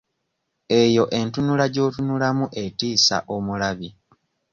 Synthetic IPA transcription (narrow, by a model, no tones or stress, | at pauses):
e̞jo̞ʔe̞ntunulaɟo̞ːtunulamuʔe̞tiːsa̰ʔomulaβi